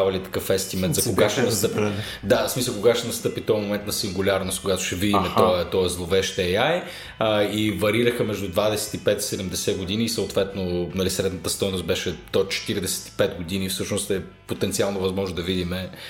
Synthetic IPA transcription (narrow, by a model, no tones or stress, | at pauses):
avɐlit̪ɐ̥kɤfɛst̪imɛnt̪zɐkoɡaʃt̪ɛnɐst̪ɤpi | d̪asmisəlˠkoɡaʃt̪ɛnɐst̪ɤpit̪ɔmomɛnt̪nɐsiŋɡulʲaɾnost̪koɡat̪ʊ̥ʃɛvid̪imɛɔət̪ɔɛzlˠovɛʃt̪ɛaj | əivɐɾiɾəxəmɛʒd̪ud̪vad̪ɛsɛ̥t̪ipɛt̪i̥sɛd̪ɛmd̪ɛsɛɡod̪iniːsɐot̪vɛt̪nonɐlisɾɛd̪nət̪əst̪ɔjnost̪̚bɛʃɛt̪ɔt͡ʃɛ̥t̪iɾid̪ɛsɛ̥t̪i̥pɛt̪ɡod̪inifsɤʃnost̪ɛ | pot̪ɛnt̪sialˠnovɐzmɔʒnod̪ɐvid̪imɛ